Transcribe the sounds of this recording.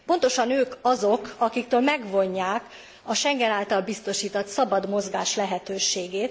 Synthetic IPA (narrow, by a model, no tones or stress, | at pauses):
po̞nt̪o̞ʃɒnøːkɒzo̞kɒkik̚t̪øːlmɛɡvo̞ɲːaːk | ɒʃɛŋɡɛnaːlt̪ɒlbist̪o̞ʃiːt̪ot̪sɒbɒd̪mo̞zɡaːʃlɛɦɛt̪øːʃeːɡeːt̪